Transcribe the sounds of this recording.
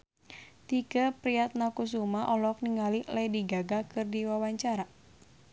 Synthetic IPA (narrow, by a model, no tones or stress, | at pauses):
t̪ikəpɾiat̪̚nakus̬umaʔɔlɔk̚niŋalilajdiɡaɡakɨrdiwawaɲt͡ʃaɾa